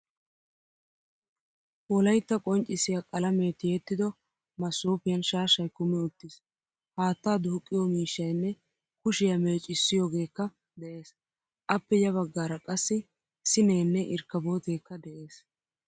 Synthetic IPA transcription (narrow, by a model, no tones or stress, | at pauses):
wɔlɐjt̪ːɐkʼɔnt͡ʃʼɪsɪjakʼɐlɐme̞ːt̪ɪjɛt̪ːɪd̪ɔ | mɐsːuːpɪjɐnʃaːʃɐjkʊmɛʊt̪ːɪs | haːt̪ːaːd̪ʊːkʼːɪjɔmiːʃːɐjnːɛ | kʊʃɪjɐme̞ːt͡ʃʼɪsːɪjoːɡe̞ːkːɐ | d̪ɛʔe̞ːs | ʔɐpːɛjɐβɐɡːaːɾɐkʼɐsːɪ | sɪneːnːɛʔɪɾkːɐboːt̪e̞ːkːɐd̪ɛʔe̞ːs